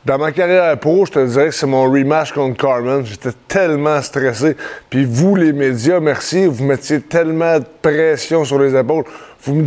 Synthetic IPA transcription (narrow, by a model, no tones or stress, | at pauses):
d̪ɑ̃makaʁjɛʁpʁoʒət̪əd͡ziʁɛksɛmɔ̃ɹimaʃkɔ̃t̪̚kɑɹmɛnʒet̪ɛt̪ʰɛlmɑ̃st̪ʁɛsepivulemed͡zjamɛʁsivumɛt͡sjet̪ɛlmɑ̃d̪əpʁɛsjɔ̃syʁlezepɔʊlvum